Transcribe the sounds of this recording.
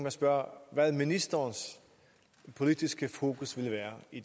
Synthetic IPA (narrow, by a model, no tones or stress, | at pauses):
æsb̥ɶɐ̰ʋæð̰ˠminisd̥ɐns | pʰo̝lid̥isɡ̥əfo̝̰ːkʰusʋe̝lʋæːɐid̥